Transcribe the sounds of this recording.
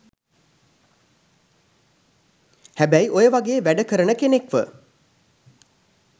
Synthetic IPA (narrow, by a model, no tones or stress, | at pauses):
hæbæjiʔojəʋaɡeːʋæɖəkəɾənəkenekʋə